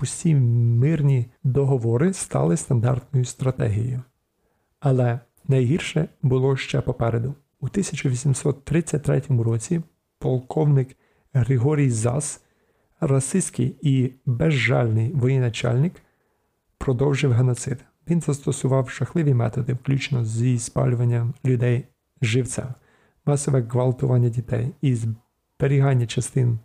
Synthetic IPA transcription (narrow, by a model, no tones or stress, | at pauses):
ʊsʲimɪrnʲid̪ɔɦɔʋɔɾɪst̪ɑ̰lˠɪst̪ɐnd̪ɑ̰rt̪nɔjʊst̪ɾɐt̪ɛ̰ɦʲḭjʊ | ɐlˠɛ | nɐjɦirʃɛbʊlˠɔʃt͡ʃɛpɔpɛɾed̪ʊ | ut̪ɪsʲɐt͡ʃʊʋʲisʲimsɔt̪ːɾɪt͡sʲːɐt̚ʲt̪ɾɛtʲɔmʊɾɔt͡sʲi | pɔlˠkʰɔwnɪk | ɦɾɪɦɔɾʲijzɑ̰s | rɐsɪsʲkɪjibɛʒːɑ̰lʲnɪjʋɔjɛnɐt͡ʃɑ̰lʲnɪk | pɾɔd̪ɔwʒɪwɦenɔt̪sɪd̪ | ʋʲinzɐst̪ɔsʊʋɑwʃɐxlˠɪʋʲimɛ̰t̪ɔd̪ɪwklʲut͡ʃnɔzʲispɑ̰lʲʊʋɐnʲːɐlʲʊd̪ɛj | ʒɪwt͡sʲa̰ | mɑsɔʋɛɣʋɐlˠt̪ʊʋɑnʲːɐdʲit̪ɛ̰jiz | b̥eɾʲiɦɑnʲːɐt͡ʃɐst̪ɪn